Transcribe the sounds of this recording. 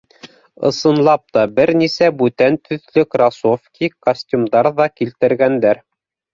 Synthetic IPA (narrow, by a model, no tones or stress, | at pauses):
ɤ̰̆sɤ̆nlˠɑp̚t̪ɑbɘɾnisæbʉt̪ænt̪ʰɵ̆ðlɵkrɑsofkʲikosʲtʲumd̪ɑɾðɑkilt̪ɘ̆ɾɡænd̪æɾ